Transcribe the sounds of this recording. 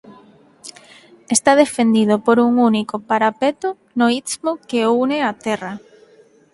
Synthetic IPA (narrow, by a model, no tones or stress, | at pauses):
est̪aðefend̪ið̞opoɾuŋunikopaɾapet̪ʊ | noismokeuneat̪ɛra